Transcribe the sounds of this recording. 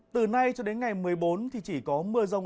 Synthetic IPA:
t̪ɨ˨˩na˧jt͡ɕɔ˧ɗe˨˦nŋa˨˩jmɨ˨˩əjɓo˨˦nt̪ʰi˨˩t͡ɕi˧˩kɔ˨˦mɨ˧əzə˧wŋ͡m

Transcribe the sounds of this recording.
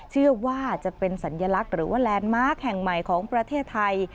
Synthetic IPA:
t͡ɕʰɯ˥˩ɐwaː˥˩t͡ɕa˨˩pe˧nsa˩˦nja˧la˦˥k̚ɾɯː˩˦waː˥˩lɛː˧nmaː˦˥˩k̚hɛ˨˩ŋma˨˩jkʰɔː˩˦ŋpɾa˧t̪ʰeː˥˩t̪ʰːa˧j

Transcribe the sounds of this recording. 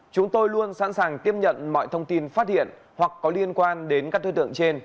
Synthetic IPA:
t͡ɕʊ˨˦ŋ͡mt̪o˧jlu˧ənsa̰˧˥nsaː˨˩ŋt̪i˦˥əp̚ɲə̰˧˨nmɔ̰˧˨jt̪ʰə˧wŋ͡mt̪i˧nfaː˦˥t̚hḭ˧˨ən | hwa˨˩kːɔ˨˦li˧ənkwaː˧nɗe˨˦nkaː˦˥k̚t̪oː˧˩t̪ɨ̰˧˨əŋt͡ɕe˧n

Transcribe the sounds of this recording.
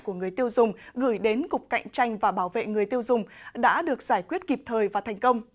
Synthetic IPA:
ku˧˩əŋɨ˨˩əjt̪i˧əwzʊ˨˩ŋ͡mɣɨ̰˧˩jɗe˨˦nkʊ˨˩k͡p̚ka̰˧˨jŋ̟t͡ɕa˧jŋ̟vaː˨˩ɓaː˧˩wvḛ˧˨ŋɨ˨˩əjt̪i˧əwzʊ˨˩ŋ͡mɗa̰ː˧˥ɗɨ˨˩ək̚z̥aː˧˩jkwi˦˥ət̚ki˨˩p̚t̪ʰəː˨˩jvaː˨˩t̪ʰɛ˨˩jŋ̟kə˧wŋ͡m

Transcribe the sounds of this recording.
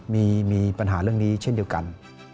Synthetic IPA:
mi˧˩mi˨˩pa˨˩nɦaː˨˦lɨ˧əŋɗi˧˦t͡ɕe˧˥nɗi˨˩əwka̰˧˩˦n

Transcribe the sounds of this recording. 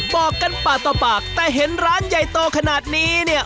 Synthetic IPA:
bɔː˨˩kːa˧npaː˨˩t̪ːa˧paː˨˩k̚t̪ɛː˨˩ɦe˩˦nɾaː˦˥nja˨˩jt̪oː˧kʰa˧naː˨˩t̪̚niː˦˥ni˥˩ə

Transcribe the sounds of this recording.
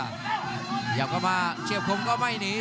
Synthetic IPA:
ja̰˨˩wka˨˦maː˧t͡ɕḭ˧˨w̚xə˨˦wŋ͡mkɔ˨˦ma˧jne˨˦

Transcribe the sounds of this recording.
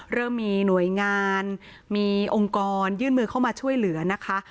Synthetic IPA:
ɾɤː˥˩mːiː˧nu˨˩˦əjŋaː˧n | miː˧ʔo˧ŋkɔː˧njɯː˥˩nmɯː˧kʰa˥˩wmaː˧t͡ɕʰu˥˩əjlɯ˩˦ɐna˦˥kʰa˦˥ʔ

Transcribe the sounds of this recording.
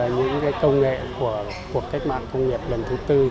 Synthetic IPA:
ɲɨ̰˧˥ŋkaː˨˦jkə˧wŋ͡mŋḛ˧˨ku˧˩ə | ku˨˩ək̚k̪a˦˥k̚ma̰ː˧˨nkə˧wŋ͡mŋi˨˩əp̚lə˨˩nt̪ʰuː˨˦t̪ɨ˧

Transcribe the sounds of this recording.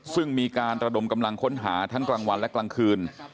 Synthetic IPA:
sɯ˥˩ŋmiː˧kaː˧nɾa˧do˧mka˧mla˧ŋkʰo˦˥nɦaː˩˦t̪ʰa˦˥ŋklaː˧ŋwa˧nlɛ˦˥klaː˧ŋkʰɯː˧n

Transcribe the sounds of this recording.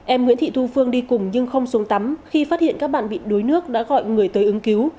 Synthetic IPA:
ʔɛ˧mŋwḭ˧˥nt̪ʰḭ˧˨t̪ʰu˧fɨ˧əŋɗi˧kʊ˨˩ŋ͡mɲɨ˧ŋxə˧wŋ͡msu˨˦əŋt̪a˨˦mxi˧faː˦˥t̚hḭ˧˨ənkaː˦˥k̚ɓa̰ː˧˨nɓḭ˧˨ɗo˨˦jnɨ˦˥ək̚ɗa̰ː˧˥ɣɔ̰˧˨jŋɨ˨˩əjt̪əː˨˦jʔɨ˨˦ŋki˨˦w

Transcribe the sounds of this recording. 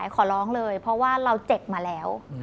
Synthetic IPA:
jkʰɔː˩˦lɔː˦˥ŋlɤː˧jpʰɾɔ˦˥waː˥˩ɾa˧wt͡ɕe˨˩p̚maː˧lɛː˦˥w

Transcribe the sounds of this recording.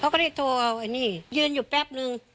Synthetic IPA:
kʰa˧˥˦kɔː˥˧˩da˦˥˩t̪ʰoː˧ʔa˧wʔa˧niː˧˥˩jɯː˧njuː˨˩pɛ˦˥˩p̚nɯ˧ŋ

